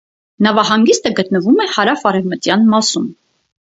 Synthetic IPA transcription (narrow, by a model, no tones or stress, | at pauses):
nɑvɑhɑŋɡist̪əɡət̪nəvumɛhɑɾɑfɑɾɛvmət̪jɑnmɑsum